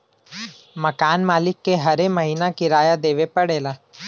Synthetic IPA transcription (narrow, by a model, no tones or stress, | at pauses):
mɐkaːnmaːlɪkːeɦɐɾemɐɦiːnakɪɾaːjad̪eːʋepɐɽeːlaː